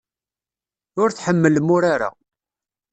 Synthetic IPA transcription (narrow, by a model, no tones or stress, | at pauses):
ʊɾθħəmːəlmʊɾaɾa̰